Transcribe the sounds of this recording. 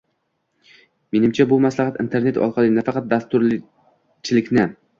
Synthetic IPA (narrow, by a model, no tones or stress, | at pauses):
me̞nɪmt͡ʃʰabʊmaslˠɑhat̪ɪ̰nt̪ʰe̞ɾne̞t̪ɒ̰lˠqʰɑlˠɪnafɑqʰɑt̪̚d̪ast̪ʊɾl | t͡ʃʰɪlɪkʲnɪ